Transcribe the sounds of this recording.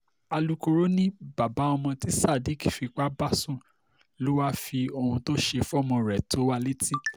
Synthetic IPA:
a˧lu˧ko˧ɾo˦nĩ˦ba˨ba˨˦ɔ˧mɔ̃˧ti˨˦sa˦˨di˦ki˨fi˧k͡pa˦ba˦sũ˦˨ | lo˦wa˦fi˧o˧˨hũ˧to˦ʃe˧fɔ˦˨mɔ̃˧ɾɛ˨to˨˦wa˧le˦ti˦

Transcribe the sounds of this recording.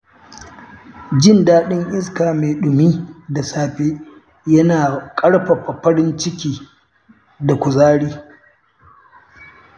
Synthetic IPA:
d͡ʒɪ˦ndaː˦ɗɪ˦ŋʔɪ˦skaː˨me˨ɗʊ˨miː˦da˨saː˨ɸeː˦ | jɐ˦naː˨kʼɐ˦ɽɸa˨ɸa˨ɸɐ˦ɽɪ˦nt͡ʃɪ˦kʲiː˦ | da˨kʷʊ˨zaː˦ɽiː˦

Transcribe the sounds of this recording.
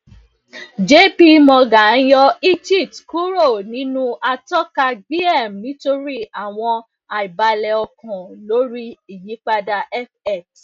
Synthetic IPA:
d͡ʒe˦pi˧mɔ̃˧ɡa˨˦n̩˦jɔ˧i˦d͡ʒi˦˨tku˦ɾo˦˨nĩ˨˦nũ˦a˧tɔ˦ka˧ɡ͡bi˦ɛ˦˨m˨nĩ˨˦to˦ɾi˦a˨w̃ɔ̃˧ | a˨i˨ba˧lɛ˧ɔ˧kɔ̃˨lo˦ɾi˦i˨ji˨˦k͡pa˧da˧ʔɛ˦fɛ˦˨t

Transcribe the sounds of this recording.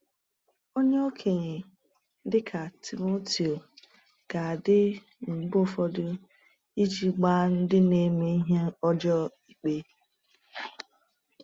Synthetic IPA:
o˦ɲe˦o˦kʰe˨ɲe˨˦ | dɪ˦kʰa˨tʰi˨mo˦ti˨o˨ | ɡ̥a˨dɪ˦ | ŋ͡m̩˨ɡ͡bfɔ˦dʊ˦ | i˦d͡ʒi˦ɡ͡ba˦n̩˦dɪ˦ne˦me˦i˦ɦe˦ɔ˦d͡ʒɔ˦i˨k͡pe˦

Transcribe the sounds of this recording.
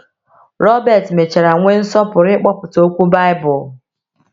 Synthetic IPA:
ɾɔ˦bɛ˨tme˨t͡ʃe˨ɾa˨ŋʷe˦n̩˦sɔ˦pʊ˨ɾɪ˦k͡pɔ˦pʊ˨to˦kʷu˦ba˦ɪ˦bʊ˨

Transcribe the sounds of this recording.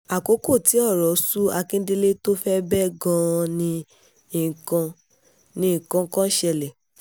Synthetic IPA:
a˨ko˨˦ko˦˨ti˨˦ɔ˦˨ɾɔ˨su˦a˧kĩ˦de˦le˦to˦fɛ˦bɛ˦ɡɔ̃˦˧nĩ˧ | i˨kã˧ | nĩ˧ĩ˨kã˧ŋ˦kã˦ʃɛ˧lɛ˨

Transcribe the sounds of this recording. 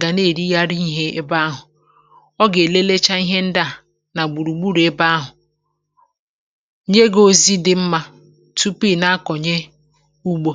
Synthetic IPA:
ɡa˨ne˦˨ɾi˦ja˦ɾi˦i˦ɦe˦e˦ba˦ɦʊ˨ | ɔ˦ɡe˨le˦le˦t͡ʃa˦i˦ɦe˦n̩˦da˦˨ | na˨ɡ͡bu˨ɾu˨ɡ͡bu˦ɾe˦ba˦a˦ɦʊ˨˦ | ɲe˦ɡo˦zi˦dɪ˦m̩˦ma˦ | tu˦pi˦˨na˦kɔ˨ɲe˦ | u˦ɡ͡bo˦

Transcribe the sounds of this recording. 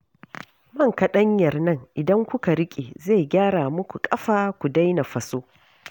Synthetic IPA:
mɐ˦˨ŋkɐ˦ɗɐ˦ɲjɐ˨rnɐ˦ŋʔɪ˨dɐ˦ŋkʷʊ˦ka˨ɾɪ˦kʲʼe˨za˦˨jɡʲaː˦ɽaː˨mʊ˦kʷu˨kʼɐ˦ɸaː˨kʷu˨da˦jna˨ɸɐ˨soː˦

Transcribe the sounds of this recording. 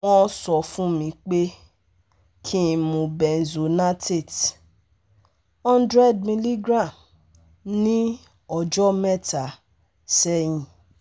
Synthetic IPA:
ɔ̃˧˦sɔ˨fũ˦mĩ˧k͡pe˦ | kʰi˦˧mũ˨˧bɛ˨n̩˨zo˨na˦te˦˨t | ɔ̃˦ndɾɛ˦˨d̚mĩ˧li˦ɡɾã˦˨m | nĩ˦ | ɔ˧˨d͡ʒɔ˦mɛ˦˨ta˨ | sɛ˦j̃ĩ˨

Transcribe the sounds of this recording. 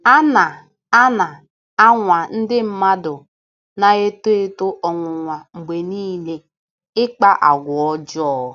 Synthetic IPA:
a˦na˨ | a˦na˨ | a˦ŋʷa˨n̩˦dɪ˦m̩˦ma˦dʊ˨ | na˨ɣe˦to˦e˦tʊ˦ʔɔ˨ŋʷʊ˨ŋʷa˨ŋ͡m̩˨ɡ͡be˨niː˦le˦ | ɪ˦k͡pa˦ʔa˨ɡʷʊ˨ɔ˦d͡ʒɔ˦˨

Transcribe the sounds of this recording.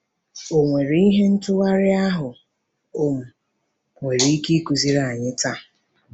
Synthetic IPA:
o˨ŋʷe˨ɾi˦ɦe˦n̩˦tʊ˦ɣa˦ɾɪ˦a˦ɦʊ˨ | ʊ˦m̩˨ | ŋʷe˨ɾi˦ki˦ku˨zi˦ɾa˦˨ɲɪ˦ta˦˨

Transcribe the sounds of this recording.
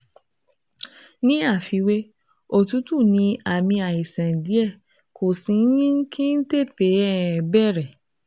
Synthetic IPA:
nĩ˦a˦˨fi˨˧we˦ | o˦˨tũ˨˦tu˦˨nĩ˧a˨mĩ˧a˨i˨sɛ̃˨n̩˨di˨˦ɛ˦˨ | kʰo˨sĩ˨n̩˦jĩ˦kʰĩ˦n̩˦te˦˨pe˨˦ɛ˦˨bɛ˦˨ɾɛ˨

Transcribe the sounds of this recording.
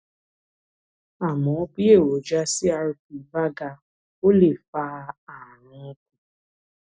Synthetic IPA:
a˨mɔ̃˨˦pi˦e˦˨wo˨d͡ʒa˦si˦a˦ɾp̚i˨va˦ɡa˧ | o˦le˨fa˦˧a˨ɾʊ̃˨˦kũ˦

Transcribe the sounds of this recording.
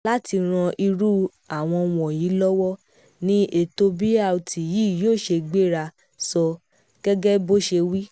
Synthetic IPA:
la˦ti˧ɾ̃ã˧ʔi˧ɾu˦ | a˨w̃ɔ̃˧w̃ɔ̃˨ji˨˦lɔ˦wɔ˦ | nĩ˦e˨to˧bi˦a˦˨u˨tʰi˨ji˨˦˨joː˦˨ʃe˧ɡ͡be˦˨ɾa˧ | sɔ˧ | ɡ̥ɛ˦ɡɛ˦bo˦ʃe˧wi˦

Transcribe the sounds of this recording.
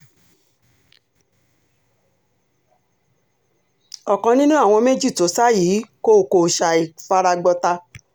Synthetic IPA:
ɔ˨kɔ̃˨nĩ˦nũ˦a˦˨w̃ɔ̃˧me˦d͡ʒi˦˨to˨˦sa˦jiː˨˦ko˦˨ko˨ʃa˨i˨fa˧ɾa˧ɡ͡bɔ˧ta˧

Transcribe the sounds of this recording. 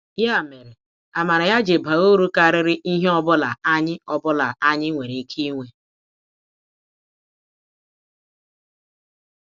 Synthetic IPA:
ja˦˨me˨ɾe˨ | a˨ma˨ɾa˨ja˦d͡ʒe˨ba˨ɣo˦ɾu˦ka˨a˨ɾɪ˦ɾɪ˦ʔi˦ɦe˦ɔ˦bʊ˦la̰˨a˦ɲɪ˦ɔ˨bʊ˦la˨ʔa˦ɲɪ˦ŋʷe˨ɾe˨˦kʰi˦ŋʷe˦

